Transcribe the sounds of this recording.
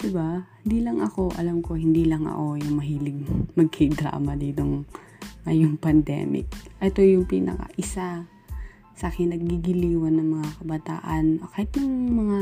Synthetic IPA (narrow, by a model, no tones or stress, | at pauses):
d̪̥ɪbahɪnd̪iːlɐŋʔɐko̞ʔɐ̰lamko̞hɪnd̪iːlɐŋʔɐ̰ʔo̞jʊŋmɐɦiːlɪɡ̚mɐɡ̚kɪd̪ɾa̰ːmɐd̪iːt̪oŋ | ɐjʊŋpɐnd̪ɛ̰ːmɪ̰k̚ʔɛt̪o̞jʊŋpḭːnɐ̰kɐ̰ʔɪsa | sɐʔkɪnɐɡ̚ɡiɡɪliːwɐnːɐŋmɐŋakɐbɐt̪a̰ːʔɐnʔokahɪt̪jʊŋmɐŋa